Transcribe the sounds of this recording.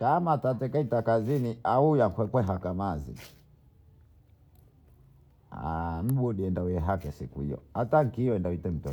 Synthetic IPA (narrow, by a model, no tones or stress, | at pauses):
kamatatɛkaitakaziniaujakwɛkwɛɦakamazḭ | a̰m̩ɓɔɗiɛndawɛɛɦakɛsḭkuhḭjɔ̰ataŋ̩kiɔɛndawitɛm̩tɔ